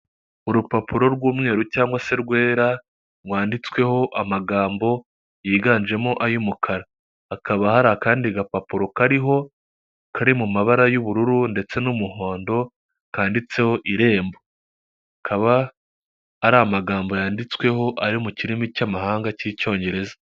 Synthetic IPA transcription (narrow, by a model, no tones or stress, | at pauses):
uɾupapuɾo̞ɾɡwuːmŋe̞ːɾucaːŋɡwase̞ɾɡwe̞ːɾa | waːndit͡swe̞ho̞ʔamaɡaːmbo̞ | jiːɡaːnʒe̞moʔajumukʰaɾaː | kʰaβahaɾakaːndiɡapapuɾo̞kaɾiɦo̞ | kʰaɾimumaβaɾajuβuɾuɾunde̞t͡se̞numuho̞ːndo̞ | kaːndit͡se̞ho̞ʔiɾe̞ːmbo | akʰaβaː | ɾamaɡaːmbo̞jaːndit͡swe̞ho̞ʔaɾimuciɾimicamahaːŋɡacico̞ːɲɟe̞ɾe̞zḁ